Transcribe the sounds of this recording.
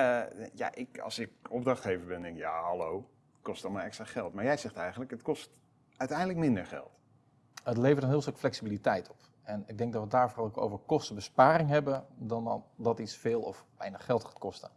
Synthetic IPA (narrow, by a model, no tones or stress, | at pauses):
ja̰ʔɪkɑ̰lˠsɪkɔb̚drɑχtejvəbɛndɛŋkjaɦɑlow | kɔstɑmaːɹɛkstraχɛlˠtmaːɹjɛjzɛχtɛjχən̩ləkətkɔst | œɥtɛjndələkmɪndəɹχɛ̰lˠt | ətlejvəɹtənɦɪːlˠstɵkflɛksibilitɛjtʰɔ̥p | ɛnɪɡ̚dɛŋk̚dɔtʋədaːɹfrɔloko̰wvəɹkɔstəbəspaːɾɪŋɦɛbədɑndɑtitsfeːlˠɔ̰fʋɛjnəχχɛlˠtχḁːtkɔstə